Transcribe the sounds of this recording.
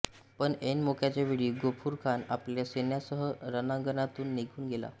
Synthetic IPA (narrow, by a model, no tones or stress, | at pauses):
pəɳenmokʰjat͡ɕjaʋiɽiːɡopʰuːɾkʰanapljasenjasəɦəɾənãŋɡənat̪uːnːiɡʱuːnɡela̰